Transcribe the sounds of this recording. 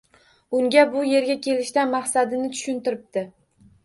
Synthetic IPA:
ʊŋɡʲabʊje̞ɾɡʲakʲʰe̞lɪʃt̪anmaχsad̪ɪnɪt̪ʰʊ̥ʃʊnt̪ɪɾɪp̚t̪ɪ

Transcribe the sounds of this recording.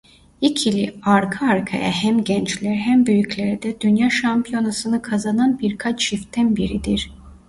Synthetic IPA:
icʰilʲiaɾkʰaːɾkʰa̰ja̰hæmɟænt͡ʃlʲæɾɦæmbøjycʰlʲæɾd̪ɛd̪ynjaːʃampʰijo̞nasɯnɯkʰazananbiɾkʰat͡ʃʃift̪ʰænbiɾid̪iɾ

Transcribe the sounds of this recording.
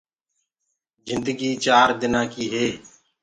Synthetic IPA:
zɪ̃nd̪əɡiːt͡ʃaːɾd̪ɪnãːkiːɦeː

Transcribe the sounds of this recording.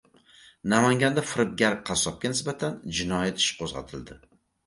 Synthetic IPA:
namaŋɡʲand̪afɪɾɪp̚ɡʲaɾ̚qʰɑsɒp̚kʲʰanɪsbat̪ʰand͡ʒɪnɒjat̪ʰɪ̥ʃqʰozʁɑ̰t̪ʰɪld̪ɪ

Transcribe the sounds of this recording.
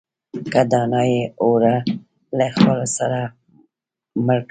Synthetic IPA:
kad̪ɑnɑjeoɾa | laxalosaɾa | məɾk

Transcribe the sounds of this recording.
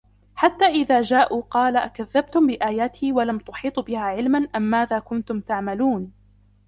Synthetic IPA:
ħat̪ːaːʔɪðaːd͡ʒaːʔuːqɑːlakaðːab̚t̪ʊmbɪʔaːjaːt̪ʰiːwalamt̪ʊħiːt̪ˤbɪhaːʕɪlmanʔamːaːðaːkʊnt̪ʊmt̪aʕmaluːn

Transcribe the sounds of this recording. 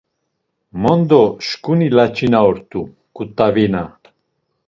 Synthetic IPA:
mɔnd̪ɔʃkunilat͡ʃʰʼinaɔɾt̪u | kʼut̪ʼːavina

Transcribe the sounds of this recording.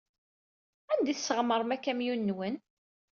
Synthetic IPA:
ænd̪iθsəʁməɾˤmækːæmjunːwən

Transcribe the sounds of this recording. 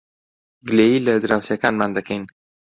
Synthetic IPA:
ɡleiləd̪ɾawsjakanmand̪aken

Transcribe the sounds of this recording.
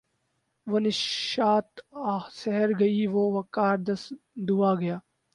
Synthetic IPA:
ʋɐnɪʃʃaːt̪aːsɛɦəɾɡɐiʋoːʋɐkaːɾd̪ɐsd̪uːaːɡɐjaː

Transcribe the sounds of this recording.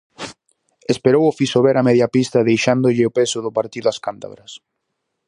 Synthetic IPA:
espeɾowʊfisoβɛɾɐmɛðjɐpist̪ɐðejʃand̪ʊʎɪʊpesʊðʊpaɾt̪iðʊɐskant̪a̰βɾɐs

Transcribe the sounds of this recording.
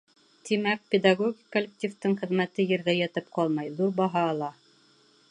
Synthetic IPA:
t̪imæk̚pʲed̪aɡoɡʲikːŏlʲːek̚t̪ʲift̪ɤɴχɘ̆ðmæt̪ɘjɘ̆ɾðæjæt̪ɘp̚qɑlˠmɑjðuɾbɑɦɑːlˠɑ

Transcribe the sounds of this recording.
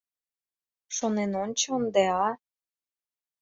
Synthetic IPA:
ʃonenont͡ɕond̪eɑ

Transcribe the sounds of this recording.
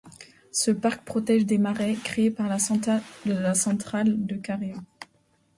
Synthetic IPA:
səpaʁk̚pχɔt̪ɛʒd̪emaʁɛkχeːpaʁl | lasɑ̃t̪χald̪əkaʁeo

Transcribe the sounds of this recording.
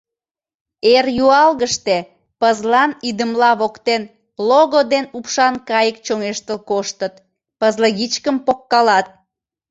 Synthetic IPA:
erjuɑlɣəʃt̪e | pəzlɑnid̪əmlɑβokt̪en | loɣod̪enupʃɑnkɑjəkt͡ɕoŋeʃt̪əlkoʃt̪ət̪̚ | pəzləɣit͡ɕkəmpokːɑlɑt̪̚

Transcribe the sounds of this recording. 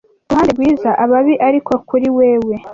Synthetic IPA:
uhaːndebɡwiːzaʔaβaβiʔaɾiko̞kuɾiwe̞ːwe̞

